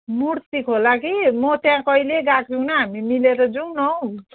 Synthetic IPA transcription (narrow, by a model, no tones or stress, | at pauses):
muɽt̪ikʰolakimʌt̪jãkʌileɡakʰunʌɦamimileɾʌd͡zuŋnʌw̃